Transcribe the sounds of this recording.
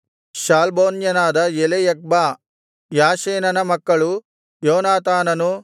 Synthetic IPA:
ʃaːlboːnjɐnaːd̪ɐjelejɐk̚baː | jaːʃeːnɐnɐmɐkːɐɭu | joːnaːt̪aːnɐnu

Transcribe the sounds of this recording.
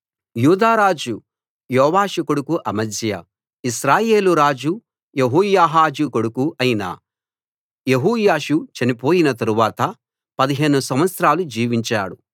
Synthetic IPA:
juːd̪aːɾaːd͡ʒu | jɔːʋaːʃɐkuɽukuʔɐmɐsjɐ̰ | iʃɾaːje̞ːluɾaːd͡ʒu | jeɦuːjaːɦaːd͡ʒukoɽukuʔɐjinɐ̰ | je̞ɦuːjaːʃut͡ʃɐnipo̞ːjinɐt̪ɐɾuʋaːt̪ɐ | pɐd̪iɦe̞ːnusɐmʋɐt̪sɾaːlud͡ʒiːʋiɲt͡ʃa̰ːɽu

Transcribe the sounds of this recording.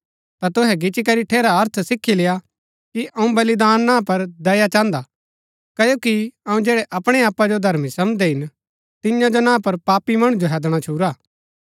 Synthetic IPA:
t̪ɐt̪ʊɦɛɡɪt͡ʃikɐɾiʈʰeːɾaɐɾt̪ʰsɪkʰːileja | kiʔɐũbɐlid̪aːnːãːpɐɾd̪ɐjat͡ʃãːnd̪a | kɐjoːkiɐũd͡ʒɛːɽɛʔɐpɽ̃ɛaːpːad͡ʒod̪ʱɐɾmisɐmd̪ɛɦɪn | t̪ɪjãd͡ʒonãːpɐɾpaːpimɐɽ̃ud͡ʒoɦɛːd̪ɽ̃at͡ʃʰuːɾaː

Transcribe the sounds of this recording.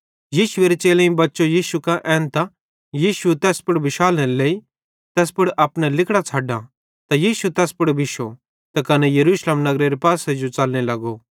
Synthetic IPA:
jiːʃʊeːɾet͡ʃeːlẽĩbɐtːʃojiːʃukaʔɛ̃ːnt̪a | jiːsut̪ɛːspʊɽbɪʃaːlneleːi | t̪ɛːs̬pʊɽʔɐpɽ̃ɛlɪkʰɽat͡sʰaːɖã | t̪ajiːsut̪ɛːspʊɽbɪʃo | t̪akɐnɛjɐɾuːslemnɐɡɾeɾepaːsed͡ʒot͡sɐlnelɐɡo

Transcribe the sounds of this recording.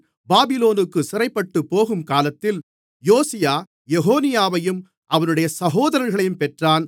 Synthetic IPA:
baːbɪloːnɯkːɯsɪɾɐɪpːɐʈːɯpːoːɣɯmkaːlɐt̪ːɪl | joːsɪjaː | jɛɣoːnɪjaːʋɐjɯm | ʔɐʋɐnɯɽɐjɐsɐɣoːðɐɾɐnɣɐɭɐjɯmpɛʈraːn

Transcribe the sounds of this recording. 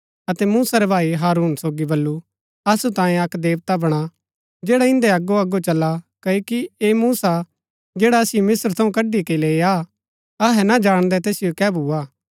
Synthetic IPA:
ɐt̪ɛmuːsaɾebʱaːiɦaːɾuːnsoːɡibɐlːu | ɐsut̪ãːjẽɐkd̪eːʋt̪abɐɽ̃a | d͡ʒeːɽaɪ̃nd̪eɐɡːoɐɡot͡ʃɐlːakɐokieːmuːsa | d͡ʒeːɽaɐsɪjomɪsəɾt̪ʰɐ̃ũkɐɖikeileːaː | ɐɦɛnad͡ʒaːɽ̃d̪ɛt̪eːsɪjokɛːbʱuːaː

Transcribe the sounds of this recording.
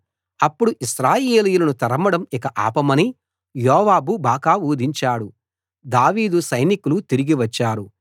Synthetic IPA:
ɐpːuɽuʔiʃɾaːjeːlijulɐnut̪ɐɾɐmɐɽɐmikɐʔa̰ːpɐmɐni | jɔːʋaːbubaːkaːuːd̪ʱiɲt͡ʃaːɽu | d̪aːʋiːd̪usɐjnikulut̪iɾiɡiʋɐt͡ʃːaːɾu

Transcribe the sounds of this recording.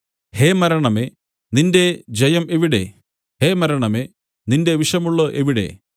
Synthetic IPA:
heːmɐɾɐɳɐme | ninde̞d͡ʑɐjɐmeʋiɽe̞̰ | heːmɐɾɐɳɐme | ninde̞ʋiʂɐmuɭːɐʔeʋiɽe̞̰

